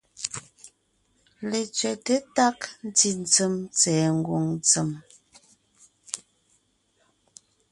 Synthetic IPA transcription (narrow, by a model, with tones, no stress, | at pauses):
le˨t͡sɥɛ˨te˦ta˦kn̩˦ti˨n̩˨t͡sə˦˨mt͡sɛː˨ŋ̩˦ɡwo˨ŋnt͡sə˨m